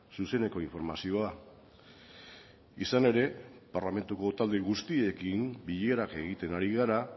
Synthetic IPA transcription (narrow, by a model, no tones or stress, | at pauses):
suse̞ne̞ko̞iɱfo̞ɾmasio̞a | isane̞ɾe̞paɾlame̞nt̪uko̞t̪ald̪eɣ̞ust̪ie̞kimbiʎeɾake̞ɣit̪e̞naɾiɣaɾa